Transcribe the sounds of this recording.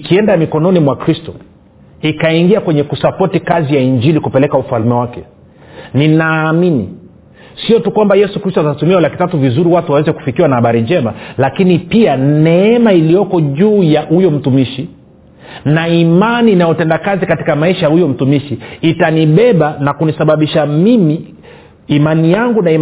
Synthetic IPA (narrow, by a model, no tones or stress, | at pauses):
kiɛndamikɔnɔnimwakɾistɔ | ikaiŋɡiakwɛɲɛkusapɔtikazijaiɲd͡ʒilikupɛlɛkaufalmɛwakɛ | ninaːminḭ | siɔtukwambajɛsukɾistɔatatumiaulaki̥tatuvizuɾiwatuwawɛzɛku̥fikiwanahaɓaɾiɲd͡ʒɛmalakinipianɛɛmailijɔkɔʄuːjahujɔm̩tumiʃi | naimaniːnajɔtɛndakazikati̥kamaiʃajahujɔm̩tumiʃiːtaniɓɛɓanakunisaɓaɓiʃamimiː | manijaŋɡunai